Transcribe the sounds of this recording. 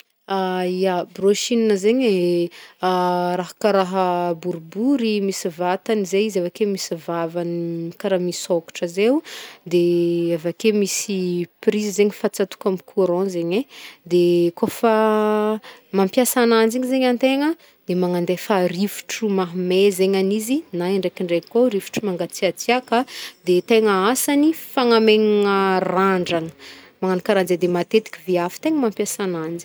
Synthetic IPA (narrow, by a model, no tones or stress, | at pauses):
aijabroʃininəzeɲe | raɦḁkaɾaɦəbuɾubuɾimisivat̪anizeizavakemisivavankaɾamisoku̥ʈ͡ʂəzewd̪eavakemisiprizizeɲifat͡sat̪u̥kamikʰuɾɔ̃zeɲed̪ekofa | mampjasanand͡ziɲizeɲant̪eŋə | d̪̥emaŋand̪efarivu̥ʈ͡ʂumaɦmezeɲanizinaiɳɖ͡ʐekiɳɖ͡ʐekoɾivu̥ʈ͡ʂumaŋɡat͡siat͡siakəd̪et̪eŋəasanifaŋameŋiŋəraɳɖ͡ʐaŋəmaŋanikaɾand͡zed̪emat̪et̪i̥kʲiviafi̥t̪eŋəmampjasanand͡zi̥